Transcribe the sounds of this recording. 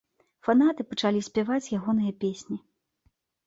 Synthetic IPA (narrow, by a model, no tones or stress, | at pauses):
fanat̪ɨpɐt͡ʂalʲisʲpʲavat͡sʲjaɣɔn̪ɨjɐpʲesʲnʲi